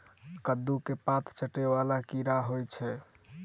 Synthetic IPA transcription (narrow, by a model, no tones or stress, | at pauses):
kəd̪ːukepat̪ʰt͡ʃəʈeβalakiɾaɦojt͡ʃʰɛ